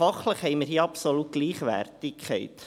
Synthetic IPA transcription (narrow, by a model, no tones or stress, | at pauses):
fɑχləχhɛjməɾhiːəɑpsolut̚ɡ̥liːχʋæ̰rtɪkʰχɛɪt̪